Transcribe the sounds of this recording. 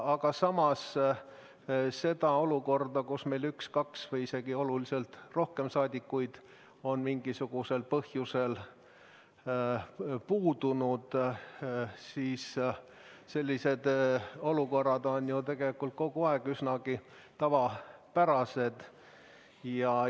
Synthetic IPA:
ɑɡ̥ɑsɑmɑs | se̞d̪̥ɑo̞luko̞rd̪ɑkusme̞jlykskɑksvɤjise̞ɡ̥io̞lulise̞lt̪ro̞hke̞msɑːd̪ʲikːujd̪̥ | o̞nmiŋɡ̥isuɡ̥use̞lpɤhjuse̞l | puːd̪̥unud̪̥ | siːs | se̞lʲːise̞d̪̥o̞luko̞rːɑd̪o̞njut̪e̞ɡ̥e̞likːult̪̚ko̞ɡ̥uɑeɡ̥ysnɑɡ̥i | t̪ɑvɑpæɾɑse̞d̪̥ | jɑ

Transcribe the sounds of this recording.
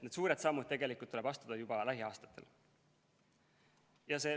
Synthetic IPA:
ned̪suːɾe̞d̪sɑmːud̪̚t̪e̞ɡe̞likult̪ːule̥ɑst̪ud̪̥ɑjubɑlæɦiɑːst̪ɑ̥t̪ːˑe̞̰l | jɑse̞ː

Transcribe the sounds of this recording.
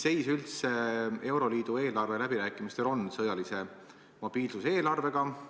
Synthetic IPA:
se̞jsylt̪see̞wɾo̞liːd̪̥ue̞ːlɑrve̞læb̥iɾæːkːˑimist̪e̞lo̞nsɤjɑlise̞ | mob̥iːlsuse̞ːlɑrve̞ɡ̥ɑ

